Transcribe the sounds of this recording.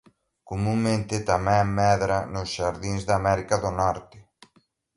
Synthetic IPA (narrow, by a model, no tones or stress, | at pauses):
komũŋmẽnt̪ɪt̪amɛ̃ŋmɛðɾanʊsʃaɾðinzðamɛɾikaðonɔɾt̪ɪ